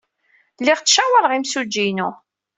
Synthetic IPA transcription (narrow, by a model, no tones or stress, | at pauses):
lːiʁt͡sːʃæwəlʁimsud͡ʒːinu